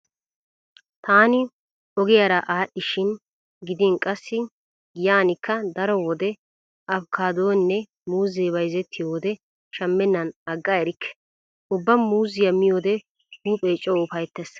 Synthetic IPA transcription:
t̪aːnɪ | ɔɡɪjɐɾɐʔaːɗːɪʃɪn | ɡɪd̪ɪnkʼɐsːɪ | ɡɪjaːnɪkːɐd̪ɐɾɔwɔd̪ɛ | ʔɐbkʰaːd̪oːnːɛ | muːzeːbɐjzɛt̪ʰːɪjo̞ːd̪ɛ | ʃɐmːɛnːɐnɐɡːaɛɾɪkʰːɛ̥ | ʊbːɐmmuːzɪjɐmɪjo̞ːd̪ɛ | huːpʼeːt͡ʃʼːɔʊfɐjt̪ːɛs

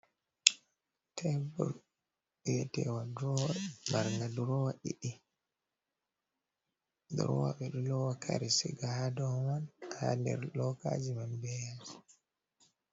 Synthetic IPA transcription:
tʰɛbɔ̰l | wɛtɛwaduɾɔwamaɾŋɡaduɾɔwaʔḭɗi | duɾɔ̰wa̰ɓɛɗulɔwakʰa̰ɾisḭɡaadɔmanha̰ndɛ̰ɾlɔka̰d͡ʒimambɛjad͡ʒ

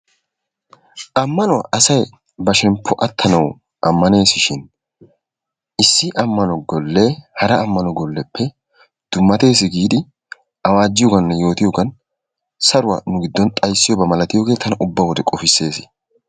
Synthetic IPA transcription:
ʔɐmːɐnɔwɐʔɐsɐj | bɐʃɛmpʰːɔʔɐt̪ʰːɐnɐw | ʔɐmːɐne̞ːsɪʃɪn | ʔɪsːɪʔɐmːɐnɔɡɔlːe̞ːhɐɾɐːmːɐnɔɡɔlːɛpʰːɛ | d̪̥ʊmːɐt̪e̞ːs̬ɪɡiːd̪ɪ | ʔɐwaːd͡ʒːɪjɔɡɐnːɐjo̞ːt̪ɪjɔɡɐn | sɐɾʊwa̰nʊɡɪd̪ːɔnt̪ʼɐjsːɪjɔbɐmɐlɐt̪ɪjoːɡe̞ːt̪ʰɐnɐʔʊbːɐwɔd̪ɛkʼɔfɪsːe̞ːsɪ̥

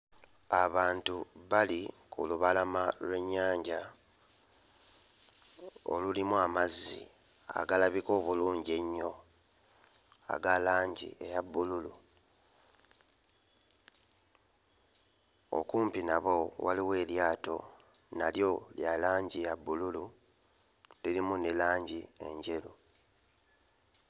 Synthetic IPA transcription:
aβaːntuβalikʰṵluβalamalwe̞ɲːaːɲɟa | o̰lulimuamazːḭ | a̰ɡalaβiko̞ːβuluːɲɟe̞ɲːo̞ | a̰ɡalaːɲɟḭejabːululu | o̰kuːmpinaβo̞waliwe̞ːljaːto̞̰ | naljo̞ljalaːɲɟijabːululu | liɾimunelaːɲɟie̞̰ɲɟe̞lu

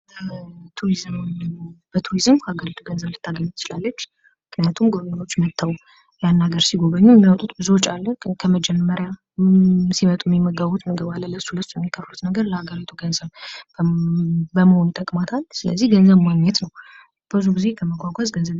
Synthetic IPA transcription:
ət̪ʰuɾizm | b̥ət̪ʰuɾizɨmkʰəaɡəɾit̪ʰuɡənzəβlɨt̪ʰːaɡəɲːut̪ʰɨt͡ʃɪlalːət͡ʃː | mɨkʰnijat̪ʰumɡo̞βəɲo̞t͡ʃːmət̪ʰːaw | janːaɡəɾsiɡo̞βəɲːujɛmːiawɔt̪ʼut̪bɨzuot͡ʃʼːalːəhkʰəməd͡ʒɛmːəɾja | simət̪ʼuɛmːimːəɡaβut̪mɨɡəβalːəlːəsːuləsːujɛmːikʰəɾlut̪nəɡəɾləhaɡəɾit̪ʰuɡənzəβ | bəməhonjt̪ʼəkʼmat̪ʰalsɨlə̰zːihɡənzəβmaŋɲːɛt̪nəw | b̥əzuɡize̞kʰəməɡʷaɡʷazɡənzəβ

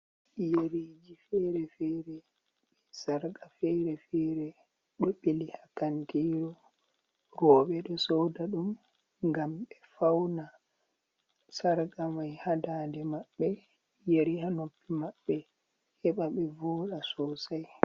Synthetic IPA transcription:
jeɾed͡ʒifɛɾɛfɛːɾɛ | ɓɛsaɾɡafɛɾɛfɛɾɛ | ɗɔɓelihakantiːɾɔ | ɾɔːɓɛɗɔsɔwdaɗum | ŋɡamɓɛfawna | saɾɡamajhadaːdɛmaɓːɛ | jeɾihanopːimaɓːɛ | hɛɓaɓɛvɔːɗasɔsaj

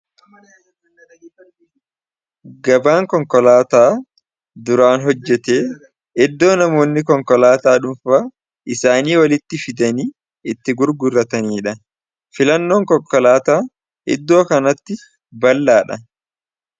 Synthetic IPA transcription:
ɡɐbaːŋkɔŋkɔlaːt̪aː | d̪ʊɾaːnɦɔd͡ʒːɛt̪eː | ʔɛd̪ːo̞ːnɐmo̞ːnːɪkɔŋkɔlaːt̪aːᶑʊmfaː | ʔɪsaːniːwɐlɪt̪ːɪfɪd̪ɐniː | ɪt̪ːɪɡʊɾɡʊrːɐt̪ɐniːᶑɐ | fɪlɐnːo̞ːŋkɔkːɔlaːt̪aː | ʔɪ̰d̪ːo̞ːkɐnɐt̪ːɪ | bɐlːaːᶑɐ

